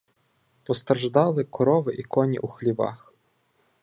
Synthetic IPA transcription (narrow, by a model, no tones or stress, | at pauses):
pɔst̪ɾʒd̪ɑlˠɪkɔɾɔʋɪʔikɔnʲḭʔuxlʲiʋɑ̰x